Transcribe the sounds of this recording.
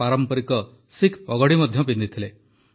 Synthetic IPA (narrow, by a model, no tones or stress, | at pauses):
aɾɔmpɔɾikɔ | sikʰɔɡɔɽimɔd̪ʱjɔpind̪it̪ʰile